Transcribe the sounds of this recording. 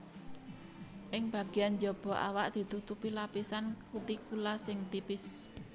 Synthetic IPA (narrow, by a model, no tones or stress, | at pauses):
ʔɪŋb̥ä̤ɡ̥i̤jand͡ʒɔb̥ɔ̤ʔa̰waʔd̪̥i̤t̪ut̪upilapisankut̪ikulasɪŋt̪ipɪs